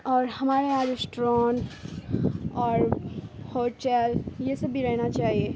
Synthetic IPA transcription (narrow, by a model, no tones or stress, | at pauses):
ɔːɾhɐmaːɾeaːd͡ʒɾɪsʈɾãːnʈ | ɔːɾhoːʈɛːljesɐbʱiɾɛɦnat͡ʃaːɦieː